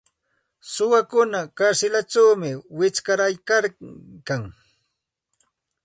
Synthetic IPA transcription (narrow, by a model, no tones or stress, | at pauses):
sʊwakʊnakaɾsɪlaʈ͡ʂawmɪwɪt͡ʃkaɾajkaɾkaŋ